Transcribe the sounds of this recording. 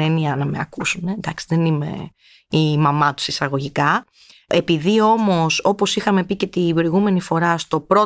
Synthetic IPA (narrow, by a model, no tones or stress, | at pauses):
eniɐnɐme̞̰ɐkusunend̪ɐksi̥ðe̞nime̞̰ | imɐmɐt̪u̥sisɐɣo̞ʝikɐ | e̞piðio̞mo̞so̞po̞sixɐme̞picet̪ibɾo̞iɣume̞nifo̞ɾɐst̪o̞pɾo̞